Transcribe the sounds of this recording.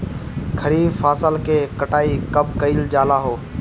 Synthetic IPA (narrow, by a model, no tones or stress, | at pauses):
kʰəɾiːbfaːsəlkeːkəʈaːiːkəbʱkəiːld͡ʒaːlaːɦoː